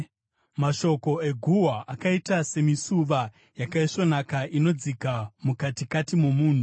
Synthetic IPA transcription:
maʃo̞ko̞e̞ɡʱuwaʔakaitase̞misuʋa | jakaiʂo̞nakaʔino̞d͡zikamukatikatimo̞muːn̤u

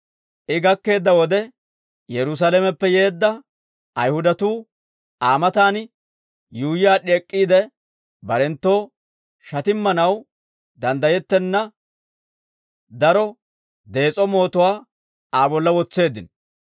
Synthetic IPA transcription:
ʔɪɡɐkːe̞ːd̪ːɐwɔd̪ɛ | jɛɾʊs̬alɛmɛpːɛje̞ːd̪ːɐ | ʔɐjhʊd̪ɐt̪uː | aːmɐt̪aːn | juːjɪjaːɗeːkʼːiːd̪ɛ | bɐɾɛnt̪ːo̞ː | ʃɐt̪ɪmːɐnɐw | d̪ɐnd̪ɐjɛt̪ːɛnːɐ | d̪ɐɾɔ | d̪e̞ːt͡sʼɔmo̞ːt̪ɔwaː | aːbɔlːɐwɔt͡sːe̞ːd̪ɪn

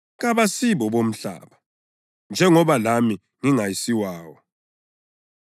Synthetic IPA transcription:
ɣ̬aβasiɓɔɓom̩ɬa̰ːɓa | nd͡ʒʱɛŋɔβalami | ŋiŋajisiwaːwɔ

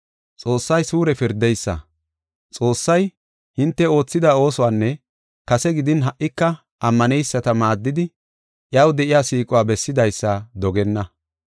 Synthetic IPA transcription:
t͡sʼo̞ːsːɐjsuːɾɛfɪɾd̪ɛjsːɐ̰ | t͡sʼo̞ːsːɐj | hɪnt̪ːɛo̞ːt͡sːɪd̪aːo̞ːsɔwaːnːɛ | kɐsɛɡɪd̪ɪnɦɐʔːɪkːɐ | ʔɐmːɐnɛjsːɐt̪ɐmaːd̪ːɪd̪ɪ | ʔjɐwd̪ɛʔɪjaːsiːkʼʊwaːbɛsːɪd̪ɐjsːad̪ɔɡɛnːɐ

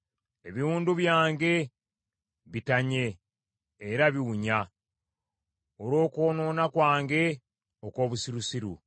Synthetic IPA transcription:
e̞βiɾuːnduβjaːŋɡe̞ | βitaɲe̞ː | ɾaβiwuɲa | oɾo̞ːkoːno̞ːnakwaːŋɡe̞ | oko̞ːβusiɾusiɾṵ

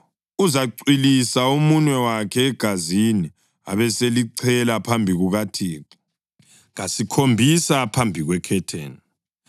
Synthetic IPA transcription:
uzaǀilisaumunwɛwakʰɛːɡ̥ʱazini | a̰βɛseliǀʰɛlapʰambʱiɣuɣatʰiːk | ɣasikʰombʱisapʰambʱiɣwɛkʰɛtʰḛːn

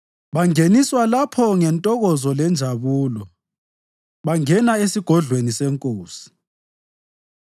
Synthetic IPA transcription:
βaŋeniswalapʰɔŋɛntʼɔɣɔzɔlɛnd͡ʒʱaβuːlɔ | βaŋɛnaesiɡ̥ʱɔɮwenisɛŋkʼoːsi̥

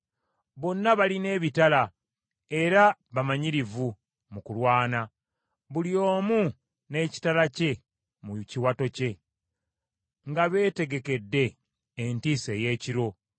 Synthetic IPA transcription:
βo̞nːaβaline̞ːβitala | e̞ɾaβamaɲiɾivu | mukulwaːna | βulio̞ːmu | ne̞ːci̥talace̞ | muciwato̞ce̞ | ŋɡaβe̞ːte̞ɡe̞ke̞dːe̞ː | ntiːse̞je̞ːciɾo̞

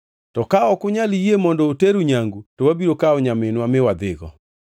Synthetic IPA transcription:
tɔkaɔkʊɲalijemɔndɔoteɾuɲaŋɡutɔwabiɾokaɔɲamenwamɪwad̪ɪɣɔ̰

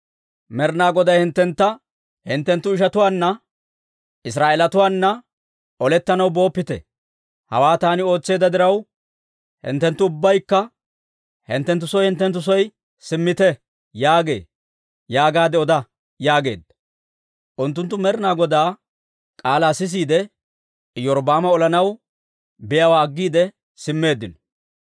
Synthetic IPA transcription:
mɛɾnaːɡɔd̪ɐjhɪnt̪ːɛnt̪ːɐ | hɪnt̪ːɛnt̪ːʊɪʃɐt̪ʊwaːnːɐ | ʔɪs̬ɾaːeːlɐt̪ʊwaːnːɐ | ɔlɛt̪ːɐnɐwbo̞ːpːɪt̪ɛ̰ | hɐ̰waːt̪aːnɪo̞ːt͡sːe̞ːd̪ɐd̪ɪɾɐw | hɪ̰nt̪ːɛnt̪ːʊʊbːɐjkːɐ | hɪ̰nt̪ːɛnt̪̬ːʊsɔjhɪnt̪ːɛnt̪ːʊs̬ɔj | sɪmːɪt̪ɛ | jaːɡe̞̰ː | jaːɡaːd̪ɛɔd̪ɐ | jaːɡe̞̰ːd̪ːɐ | ʔʊnt̪ːʊnt̪ːʊmɛɾɪnaːɡɔd̪aː | kʼaːlaːsɪs̬iːd̪ɛ | jɔɾbaːmɐɔlɐnɐw | bɪjɐwaːɡːiːd̪ɛ | sɪmːe̞ːd̪ːɪnɔ̥

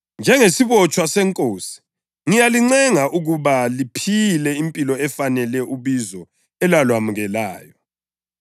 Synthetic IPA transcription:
nd͡ʒʱɛŋesiβɔt͡ʃʼwasɛŋkʼoːsi̥ | ŋijaliŋ͡ǀɛŋaʔuɣuβalipʰilɛimpʼilɔɛfanɛlɛʔuβizɔ | ɛlalwamuɣɛlaːjɔ

